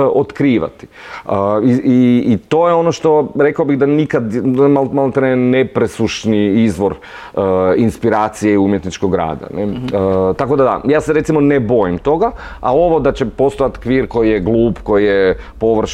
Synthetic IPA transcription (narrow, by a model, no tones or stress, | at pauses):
ot̪kɾiːʋa̰t̪i̥əiiːt̪ojeo̞no̞ʃt̪o̞ɾe̞kaobiɣd̪anikad̪malmalt̪ɾenepɾesuʃniizʋo̞ɾ | əinspiɾaːt̪sijeiumjet̪nit͡ʃkoɡɾa̰ːd̪a̰net̪akod̪ad̪a̰jaːseɾe̞t̪simo̞nebo̞jimt̪o̞ɡaao̞ʋo̞d̪at͡ɕe̞po̞st̪o̞jat̪kʋiːɾko̞jijeɡlˠuːpko̞jijepo̞ʋr̩ʃ